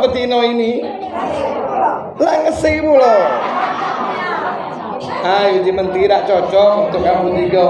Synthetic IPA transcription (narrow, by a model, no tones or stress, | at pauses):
pət̪inɔini | laŋəsɪpulo | ajod͡ʒimənt̪iɾaʔt͡ʃɔt͡ʃɔʔunt̪ʊkjaŋbut̪iɡɔ